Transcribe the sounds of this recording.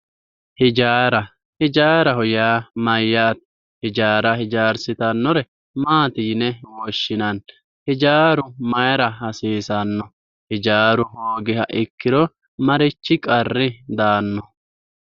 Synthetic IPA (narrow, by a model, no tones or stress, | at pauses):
hɪd͡ʒaːɾɐ | hɪd͡ʒaːɾɐhɔjaːmɐjːaːt̪ | hɪd͡ʒaːɾɐhɪd͡ʒaːɾsɪt̪ɐnːɔɾɛ | maːt̪iːnɛwɔʃːɪnɐn | hɪd͡ʒaːɾʊmɐjɾɐɦɐsiːsɐnːɔ | hɪd͡ʒaːɾʊhoːɡɪhɐʔɪkːɪɾɔ | mɐɾɪt͡ʃːɪkʼɐrːɪd̪aːnːɔ